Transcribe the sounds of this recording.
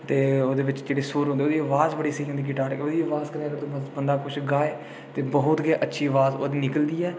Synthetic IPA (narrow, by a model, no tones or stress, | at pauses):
t̪eːoːd̪eːʋɪt͡ʃd͡ʒeːɽeːsuːɾɦõnd̪eoːd̪iːəʋaːzbəɽiːsəiːãd̪iːk̬ɪʈaːɾoːd̪iːəʋaːzkəɾẽːəɡəɾt̪ũːbənd̪aːkʊt͡ʃʰɡaːeː | t̪eːbəɦʊt̪ɡeʔətːʃʰiːəʋaːzo̰ːd̪iːnɪkəld̪iːɛː